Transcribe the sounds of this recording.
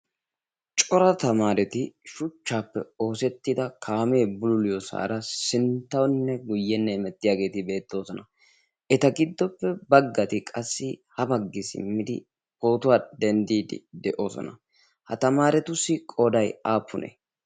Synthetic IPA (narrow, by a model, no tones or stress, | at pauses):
t͡ʃʼɔɾɐt̪ɐmaːɾɛt̪ɪʃʊt͡ʃːaːpːɛo̞ːsɛt̪ːɪd̪ɐkʰaːme̞ːbʊlʊlɪjɔsa̰ːɾɐsɪnt̪ːɐwnːɛɡʊjːɛnːɛmɛt̪ːɪjaːɡe̞ːt̪ɪbe̞ːt̪ːo̞ːsɔnɐ | ʔɛt̪ɐɡɪd̪ːɔpːɛbɐɡːɐt̪ɪkʼɐsːɪhɐbɐɡːɪsɪ̰mːɪd̪ɪ̰ | ho̞ːt̪ʊwaːd̪ɛnd̪iːd̪ɪ̰d̪ɛʔo̞ːsɔ̰nɐ̰ | hɐt̪ɐmaːɾɛt̪ʊsːɪkʼɔd̪ɐjaːpːʊnḛː